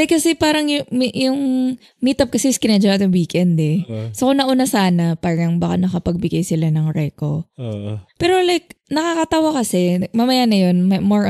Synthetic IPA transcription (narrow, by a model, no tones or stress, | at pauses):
jkːɐsɛpaːɾɐŋjʊmʔjʊŋ | miːt̪ɐp̚kɐsɛɪskɪnɛd͡ʒɐwat̪ʊŋwiːkɛnd̪ɛsokʊŋnɐʔunasaːnɐpaːɾɐŋbakanɐkɐpɐɡ̚bɪɡajsɪlanɐŋɹɛːko̰ | pɛːɾo̞lajk̚nɐkakɐt̪ɐwakɐsɛmɐmɐjanɐjo̞nmɐmoɹ